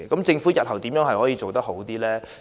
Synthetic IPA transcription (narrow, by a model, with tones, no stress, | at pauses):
kɐ˨˥mt͡sɪ˧ŋfuː˨˥jɐ˨t̚hɐ˨˩wt̪iː˨˥mjœː˨˥ŋɦɐ˨jhɔː˨˥jiː˧t͡so˨wt̪ɐ˥k̚ɦo˨˥wt̪iː˥lɛː˥